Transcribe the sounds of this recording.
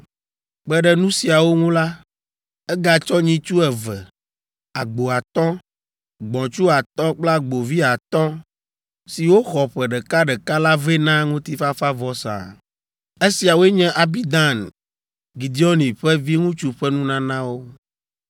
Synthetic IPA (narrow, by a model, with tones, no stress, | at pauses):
k͡pɛ˦ɖɛ˦˨nũ˦si˨a˨wo˦ŋũ˦la˦ | ɛ˦ɡa˨t͡ʃɔ˦ɲĩ˦t͡ʃu˦ɛ˨vɛ˨ | a̰˨ɡ͡bo˨a˨t̪ɔ̃˦ | ɡ͡bɔ̃˨t͡ʃu˦a˨t̪ɔ̃˦k͡pla˦ɡ͡bo˨vi˦a˨t̪ɔ̃˦ | si˨wo˦xɔ˨ɸɛ˨ɖɛ˨ka˦ɖɛ˨ka˦la˦vɛ˦nã˦ŋũ˦t̪i˦fa˦fa˦vɔ˦sã̰˨ | e˦si˨a˨wo˦ɛ˦ɲɛ̃˦ʔa˨bi˦d̪ã˦˨n | ɡi˨d̪i˦ɔ˦nĩ˨ɸɛ˦vi˦ŋũ˦t͡ʃu˦ɸɛ˦nũ˦nã˦nã˦wo˦